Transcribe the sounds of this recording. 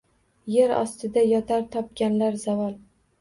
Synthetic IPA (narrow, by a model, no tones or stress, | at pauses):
je̞ɾɒ̰st̪ɪd̪ajɒt̪ʰaɾt̪ʰɒp̚ɡʲanlaɾzavɒlˠ